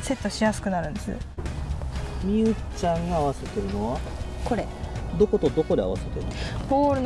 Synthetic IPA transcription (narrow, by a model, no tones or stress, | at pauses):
se̞t̪ːo̞ɕijasɨ̥kɯ̟naɾɯ̟̃nd̪e̞sɨ̰ | mʲiɯ̟t͡ɕãŋɡaːβ̞ase̞t̪e̞ɾɯ̟no̞βa | ko̞ɾe̞d̪o̞ko̞t̪od̪o̞ko̞d̪ea̰βa̰se̞t̪eɾɯ̟nbo̞ːɾɯ̟n